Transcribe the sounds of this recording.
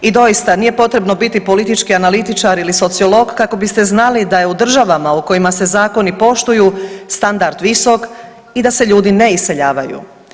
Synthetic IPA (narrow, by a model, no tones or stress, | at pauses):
id̪o̞jist̪aniːje̞po̞t̪ɾe̞bno̞bit̪ipo̞lit̪it͡ʃkianalit̪it͡ʃaɾiliso̞t̪sio̞lo̞ɡkako̞bist̪e̞znalid̪ajeud̪r̩ʒaʋamauko̞imase̞zaːko̞nipo̞ʃt̪ujust̪and̪aɾd̪ʋiso̞k | id̪ase̞ʎuːd̪ine̞ise̞ʎaːʋajṵ